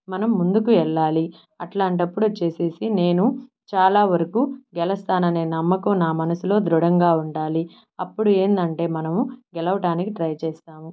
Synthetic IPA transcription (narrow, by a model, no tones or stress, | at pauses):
mɐnɐmːund̪ukuɛɭːaːli | ɐʈlaːɳʈ̬ɐpːuɽut͡ʃe̞ːse̞ːsine̞ːnu | t͡ʃaːlaːʋɐɾɐkuɡɛlɐst̪aːnɐne̞ːnɐmːɐkuːnaːmɐnɐsulo̞ːd̪ɾuɽɐŋɡaːuɳɖaːli | ɐpːuɽue̞ːnd̪ɐɳʈe̞ːmɐnɐmuɡɛlɐʋɐʈaːnikiʈɾɐjt͡ʃɛːst̪aːmu